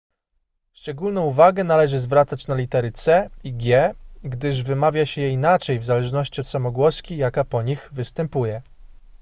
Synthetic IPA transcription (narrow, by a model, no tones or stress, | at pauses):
ʂt͡ʂɛɡulnɔ̃w̃uvaɡɛnalɛʐɘzvɾat̪sat͡ɕnalʲit̪ɛɾɘt̪sɛiɡʲjɛɡd̪ɘʐvɘmavʲjaɕɛjɛinat͡ʂɛjvzalɛʐnɔɕt͡ɕiɔt̪samɔɡwɔskʲijakapɔɲixvɘst̪ɛmpujɛ